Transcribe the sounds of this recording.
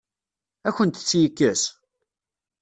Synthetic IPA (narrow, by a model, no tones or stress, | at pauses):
æçənt̪t͡sːjəkːæs